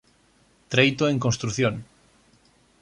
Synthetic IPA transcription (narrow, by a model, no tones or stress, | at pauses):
t̪ɾejt̪oeŋkonst̪ɾuθjon